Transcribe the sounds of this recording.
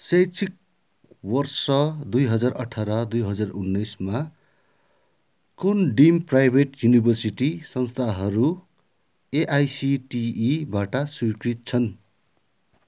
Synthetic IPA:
sejt͡sʰik̚ | wʌrsʌd̪ujɦʌd͡zarʌʈʰaɾad̪ujɦʌd͡zarunːʌjsma | kunɖimprajbʱeʈjunibʱʌrsiʈisʌnst̪ʰaɦʌɾu | eʔajsiʈiːbaʈʌsujkrit̪̚t͡sʰʌn

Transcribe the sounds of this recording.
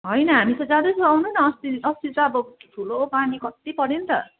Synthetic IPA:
ɦʌjnʌɦamit͡sʰʌd͡zad̪ot͡sʰuawnunʌʌst̪iʌst̪it͡sʌʌbʌt̪ʰulopanikʌt̪ipʌɽent̪ʌ̰

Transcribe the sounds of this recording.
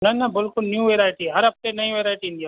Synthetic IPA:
nɐnabɪlkʊlnjũʋeɾaːjʈiɦɐɾɐp̚t̪enɐĩʋeɾaːjʈiĩnd̪ija

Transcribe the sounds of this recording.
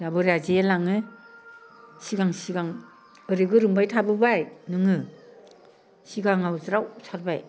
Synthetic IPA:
jabɯɾazejelaŋɯ | siɡaŋsiɡaŋ | ɯɾiɡɯɾɯmbajtʰabɯbajnɯŋɯ | siɡaŋawzɾawsʰaɾbaj

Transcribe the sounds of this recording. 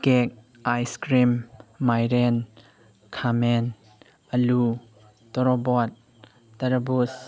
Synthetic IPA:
kɛk̚ | ajskɾimːajɾɛn | kʰamɛn | əlu | t̪ɔɾɔbɔt̪̚ː | ɐɾɐbus

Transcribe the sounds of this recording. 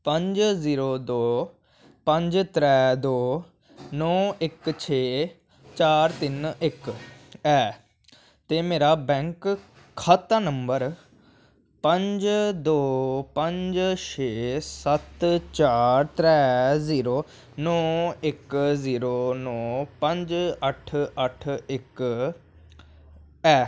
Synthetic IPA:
pə̃ɲd͡ʒziːɾoːd̪oː | pə̃ɲd͡ʒt̪ɾɛːd̪oː | nɔːɪkt͡ʃʰeː | t͡ʃaːɾt̪ɪnɪkɛː | t̪eːmeːɾaːbɛ̃ːŋk | kʰat̪ːaːnəmbəɾ | pə̃ɲd͡ʒd̪oːpə̃ɲd͡ʒʃʰeːsət̪t͡ʃaːɾt̪ɾɛːziːɾoː | nɔːɪkziːɾoːnɔːpə̃ɲd͡ʒəʈʰəʈʰɪk | ɛː

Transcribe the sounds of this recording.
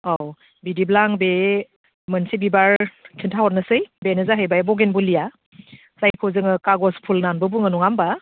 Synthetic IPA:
ɔw | bidiblaŋbe | mɯnsibibaɹkʰintʰawɔt̚nɯsɯjbenɯzaɦɯjbajbɔɡenbulija | zajkʰɔzɯŋɯkaɡɔspʰulnanbɯbuŋɯnɔŋamba

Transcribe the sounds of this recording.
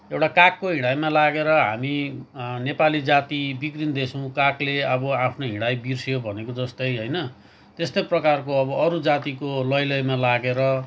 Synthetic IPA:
ewʈakakːoɦiɽ̃ajmalaɡeɾʌɦa̰minepalid͡zat̪ibikrind̪esʰʌw̃kakleʌbʌapʰnoɦiɽ̃ajbirsjobʱʌnekod͡zʌst̪ʌjɦʌjnʌ | t̪est̪ojprʌkarkoʌβʌʌɾud͡zat̪ikolʌjlʌjmalaɡeɾʌ

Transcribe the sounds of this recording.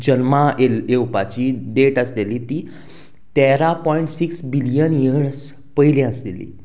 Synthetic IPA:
d͡ʑənmaelewpat͡ɕiɖeʈəslelit̪iː | t̪ɛɾapɔiɳʈsiksbilijənjəɾs | pəɦilɛ̃əslelḭ

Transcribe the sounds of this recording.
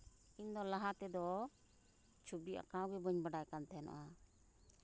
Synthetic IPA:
ind̪ɔlaɦat̪ɛd̪ɔ | t͡ʃʰubia̰kãwɡɛbəɲbaɖajkant̪ʰɛna̰ʔa

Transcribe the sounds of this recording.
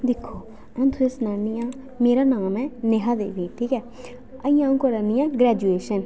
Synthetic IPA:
d̪ɪkʰːoː | ɛ̃nt̪ʰʊesnaːnijãː | meːɾaːnaːmɛ̃ːneɦaːd̪ḛːʋĩːʈ̪ʰiːkɛː | əĩːãːũːkəɾənɪjãːɡɾɛːd͡ʒueːʃən

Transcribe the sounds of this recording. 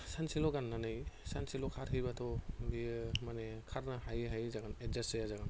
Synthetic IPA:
sansilɔɡanːanɯjsansilɔkʰaɾɦijbat̪ʰɔbimanekʰaɾnahajɦajzaɡanezasejazaɡan

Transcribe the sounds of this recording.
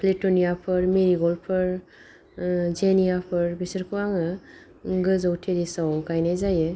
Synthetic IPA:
kʰlitɔnijapʰɯɾmeɾiɡɔlpʰɯɾ | zenijapʰɯɾbisəɾkʰɯwaŋɯ | ɡɯzawtʰeɾisawɡajnajzaje

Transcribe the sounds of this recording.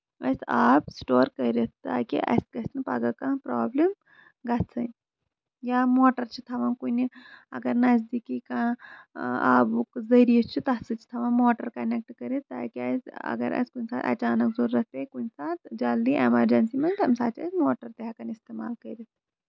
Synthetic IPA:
ɐ̰saːpsʈoːɾkɐjɾet̪t̪a̰kḭʔɐ̰jskɐsnɨpa̰ɡakãpɾoːblem | ɡat͡sʰɐn | jaːmoːʈɐɾt͡ʃʰit̪ʰɐʋankuniɐ̰ɡɐɾnas̬d̪ikikã | a̰ːbukzɐɾiɐt͡ʃʰut̪ɐt͡sɨt͡ʃʰi̥t̪ʰɐʋanmoːʈɐɾkɐnek̚ʈkɐɾit̪a̰ːkiasɐ̰ɡɐ̰ɾʔɐ̰skunʲsa̰ːt̪ɐ̰t͡ʃaːnɐkzoːɾːɐt̪ekunsaːt̪d͡ʒaːld̪iʔḛmɐɾd͡ʒɐnsimɐnt̪ʰɐmsaːt͡ʃɐ̰smoːʈɐɾt̪ɐɦakanist̪eːma̰ːlkɐjɾet̪

